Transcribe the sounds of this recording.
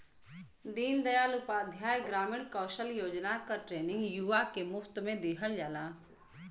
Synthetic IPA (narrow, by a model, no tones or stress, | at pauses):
d̪iːnd̪əjaːlʊpaːd̪ʱjaːjɡɾaːmɪɳkəːʃəljoːd͡ʒnakəʈɾeːnɪ̃ŋɡjuʋakemʊfʰt̪mẽd̪eɦəld͡ʒaːlaː